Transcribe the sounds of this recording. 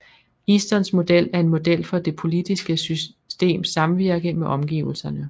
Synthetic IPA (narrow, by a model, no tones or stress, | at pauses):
isd̥ɒ̽nsmo̝d̥el̰æɐe̝nmo̝d̥el̰fɒ̽d̥e̝pʰo̝lid̥isɡ̥əsy | sd̥e̝̰ːmsɑ̈mʋiɐ̰ɡ̥əmeʔɒ̽mɡ̥ḭːʊl̩sɐnə